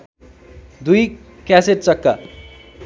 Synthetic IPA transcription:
d̪uj | kaseʈ̚t͡sʌkːʌ̰

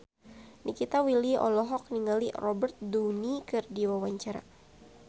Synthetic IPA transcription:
nikit̪awiliɔ̰lɔɦɔk̚niŋalirɔbɛrt̪̚dunikɨrdiwawaɲt͡ʃaɾa̰

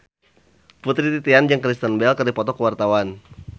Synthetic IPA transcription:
put̪ɾit̪it̪iand͡ʒəŋkɾist̪anbɛlkərdipɔt̪ɔkəwart̪awan

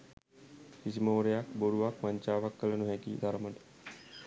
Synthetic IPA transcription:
kisimoːɾejakboɽuʋakmaɲt͡ʃaːʋakːələnuɦɛkḭːd̪aɾəməʈə̥

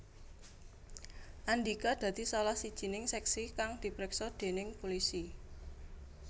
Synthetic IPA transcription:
ʔandikad̪̥ä̤d̪̥i̤sɔlahsid̥ʒ̥i̤nɪŋsɛksikaŋd̪̥i̤pɾɪksɔd̪̥e̤nɪŋpulisi

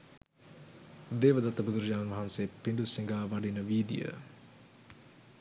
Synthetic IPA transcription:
d̪eːʋəd̪at̪əbud̪uɾəd͡ʒaːnnʋɐɦanseːpiɳɖusiŋɡaːʋaɖinəʋiːd̪ijə̰

